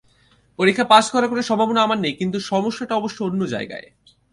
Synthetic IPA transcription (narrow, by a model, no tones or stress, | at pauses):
poɾikʰːapaʃkɔɾakoneʃɔbʱabonoamaɾnejkint̪uʃɔmoʃːaʈaɔboʃːoonːod͡ʑa̰eɡa̰e